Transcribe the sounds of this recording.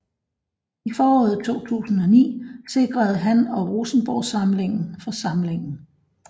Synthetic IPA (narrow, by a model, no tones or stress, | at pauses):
ifɒːɒ̰̽ːð̩ˠt͡sʰo̝̰ːt͡sʰṵːsn̩ɒ̽nḭːse̝ɡ̥ʁɐð̞̩ˠɦænɒ̽ʁoːsn̩b̥ɒʊsɑ̈mle̝ŋn̩fɒ̽sɑ̈mle̝ŋn̩